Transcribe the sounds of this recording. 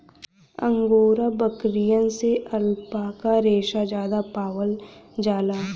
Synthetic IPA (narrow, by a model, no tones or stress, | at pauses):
ə̰̃ŋɡoːɾabəkɾijə̃nseʔəlpakaɾeːʃad͡ʒjaːd̪apaːʋəld͡ʒaːlaː